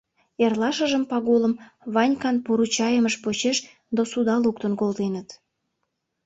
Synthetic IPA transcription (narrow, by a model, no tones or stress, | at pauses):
erlɑʃəʒəmpɑɣoləmβɑnʲkɑnpuɾut͡ɕɑjəməʃpot͡ɕeʃ | d̪osud̪ɑluk̚t̪ənkold̪enət̪